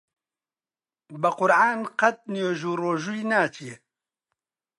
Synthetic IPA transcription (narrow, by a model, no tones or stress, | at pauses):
bɐqʊɾʕaːnqɐt̪̚nijoːʒuːɾoːʒuinaːt͡ʃʰije